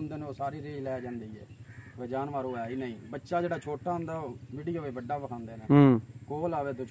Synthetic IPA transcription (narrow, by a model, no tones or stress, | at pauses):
ʊnd̪eːneoːsaːɾiːɾeːlɛːd͡ʒãːnd̪iːɛ̰ːeːd͡ʒaːnʋaːɾõːɛːiːnəĩːbətːʃaːd͡ʒeːɽaːt͡ʃʰoːʈaːɦʊ̃nd̪aːoːʋɪɽɪjoːeːbəɖːaːbəkʰãːnd̪eːneːkoːlaːʋeːd̪o